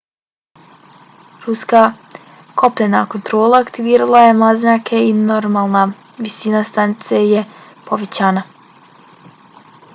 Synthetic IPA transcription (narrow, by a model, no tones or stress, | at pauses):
ɾuska | kʰo̞pʎenakont̪ɾo̞ːlˠaːkt̪iʋiːɾalˠaje̞mlˠazɲakʰe̞inoɾmaːlˠna | ʋisiːnast̪anit̪seje | poʋet͡ɕana